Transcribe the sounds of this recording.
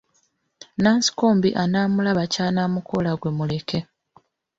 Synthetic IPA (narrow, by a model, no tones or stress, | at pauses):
naːnsi̥koːmbḭʔanaːmulaβacaːnamukʰo̞laɡwe̞mule̞ke̞